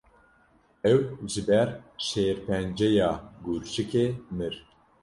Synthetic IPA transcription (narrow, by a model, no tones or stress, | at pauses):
ɛwʒɨbɛɾʃeːɾpɛnd͡ʒɛjɑːɡuɾʃɨkemɨɾ